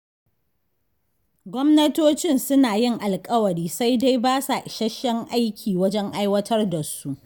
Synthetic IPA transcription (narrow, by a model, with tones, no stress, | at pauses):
ɡʷɔ˦mnɐ˦toː˦t͡ʃɪ˦nsʊ˦naː˨jɪ˦ŋʔa˨lkʼɐ˦wɐ˨ɾiː˦sa˦jda˦jbaː˦sa˨ʔʃɐ˦ʃːɛ˦ŋʔa˦jkʲʰiː˨wɐ˦d͡ʒɛ˦ŋʔa˦jwɐ˦tʰɐ˦rda˨su˦ʔ